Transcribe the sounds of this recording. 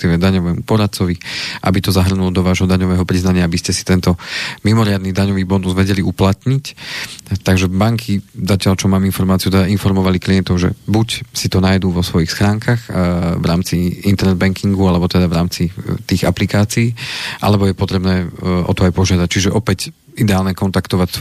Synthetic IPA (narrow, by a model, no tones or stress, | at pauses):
t̪iʋɛd̪aɲɔʋɛːmupɔɾat̪̚t͡sɔʋiʔabit̪ɔzaɦr̩nulɔd̪ɔʋaːʒɦɔd̪aɲɔʋɛːɦɔpɾiznaɲɪaabiscɛsi̥t̪ɛnt̪ɔmimɔɾɪad̪nid̪aɲɔʋiːbɔnuzʋɛɟɛliuplat̪ɲic | t̪aɡʒɛbaŋkʰizacɪaʎt͡ʃɔmaːminfɔɾmaːt͡siut̪ɛd̪ainfɔɾmɔʋalikliɛnt̪ɔʊʒɛ̰bucsit̪ɔnaːjd̪uːʋɔsʋɔjixsxɾaːŋkʰaxvɾaːmt͡siint̪ɛɾnɛd̪̚bɛŋkʰiŋɡualɛbɔt̪ɛd̪aʋɾaːmt͡sit̪iːɣaplikaːt͡siːʔa̰lɛbɔjɛpɔt̪ɾɛbnɛːʔɔ̰t̪ɔajpɔʒɪad̪ac̚t͡ʃiʒɛʔɔpɛc | id̪ɛaːlɲɛkɔnt̪akt̪ɔʋacs